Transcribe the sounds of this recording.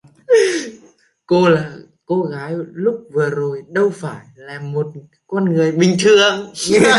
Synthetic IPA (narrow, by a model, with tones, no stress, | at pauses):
ko˧laː˨˩ | ko˧ɣaː˨˦jlʊ˦˥k͡p̚vɨ˨˩əzo˨˩jɗə˧wfaː˧˩jlaː˨˩mo˨˩t̚ | kɔ˧nŋɨ˨˩əjɓï˨˩ŋ̟t̪ʰɨ˨˩əŋ